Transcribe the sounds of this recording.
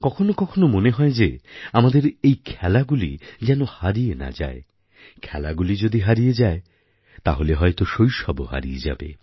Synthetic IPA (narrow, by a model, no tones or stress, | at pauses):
kɔkʰonokɔkʰonomoneɦɔed͡ʑeamad̪eɾejkʰɛlaɡulḭd͡ʑɛnohaɾijena̰d͡ʑa̰e | kʰɛlaɡulid͡ʑod̪iɦaɾijed͡ʑae | t̪aɦoleɦɔet̪oʃojʃɔboɦa̰ɾḭjed͡ʑa̰bḛ